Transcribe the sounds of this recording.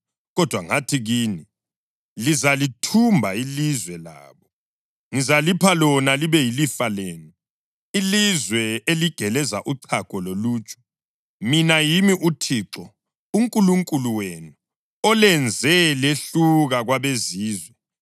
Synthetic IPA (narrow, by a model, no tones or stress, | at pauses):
ɣɔd̥ʱwaŋatʰiɣiːni | lizalitʰumbʱailizwɛla̰ːβɔ | ŋizalipʰalɔnaliβɛjilifaleːnu | ilizwɛeliɡ̥ʱɛlɛza̰ʔuǀʰakʼɔloluːt͡ʃʼɔ̥ | minajimiʔutʰiːǁɔ | uŋkʼuluŋkʼuluwenu | ɔlɛnd͡zʱɛleɬuɣaɣwaβeziːzwɛ